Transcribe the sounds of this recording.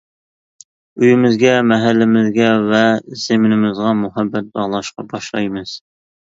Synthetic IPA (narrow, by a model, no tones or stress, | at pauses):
yjɪmɪzɡʲɛmɛɦælːɪmɪzɡʲɛvɛz̥emɪnɪmɪzʁɑmʊɦæbːɛt̪̚bɑʁlˠɑʃqɑbɑʃlˠɑjmɨz̥